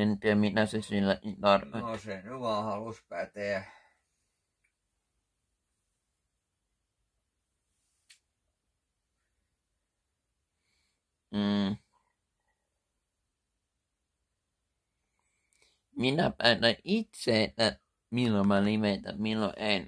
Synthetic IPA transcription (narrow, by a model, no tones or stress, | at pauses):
ent̪yjɑminæsesilːæʔint̪ɑrosenyʋɑːhɑluspæt̪eæ | minæpænæʔit̪seːt̪æ | milːomælimet̪æ̰milːo̰ʔen